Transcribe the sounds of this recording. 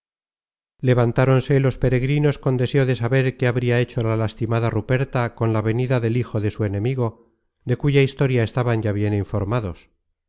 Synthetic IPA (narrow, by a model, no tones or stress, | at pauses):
le̞βant̪aɾo̞nse̞lo̞spe̞ɾe̞ɣɾino̞sko̞nd̪e̞se̞oðe̞saβe̞ɾke̞aβɾiae̞t͡ʃo̞lalast̪imaðarupe̞ɾt̪ako̞nlaβe̞niðaðe̞lixo̞ðe̞sue̞ne̞miɣ̞o̞ | ðe̞kuʝaist̪o̞ɾjae̞st̪aβaɲɟaβ̞je̞niɱfo̞ɾmaðo̞s